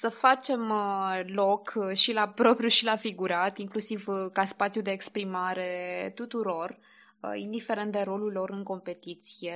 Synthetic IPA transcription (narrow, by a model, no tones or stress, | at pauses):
səfat͡ʃe̞mlo̞kʰʃilapɾo̞pɾjuʃilafiɡuɾat̪iŋklusivkaspat̪sjud̪e̞ːkspɾimaɾe̞t̪ut̪uɾo̞r | ə̰ḭnd̪ife̞ɾent̪̚d̪eɾo̞lulo̞ɾɨŋko̞mpe̞t̪it̪sije̞